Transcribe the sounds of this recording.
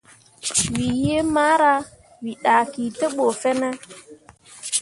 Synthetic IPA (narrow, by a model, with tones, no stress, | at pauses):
wi˨je˦maː˦ɾa˦ | wi˨ɗa˨ki˨te˦ɓo˨fɛ˦nɛ˦